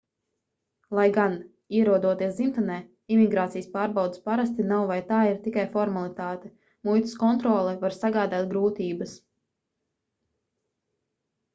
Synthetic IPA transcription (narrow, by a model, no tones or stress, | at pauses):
lˠajɡan | iɛɾuɔd̪uɔt̪iɛsimt̪anɛː | imiɡɾaːt̪sijspaːɾbawd̪spaɾas̬t̪inawvajt̪aːiɾt̪ikajfɔɾmalˠit̪aːt̪ɛ | mujt̪i̥skɔnt̪ɾɔːlˠɛvaɾsaɡaːd̪aːt̪̚ɡɾuːt̪iːbɐs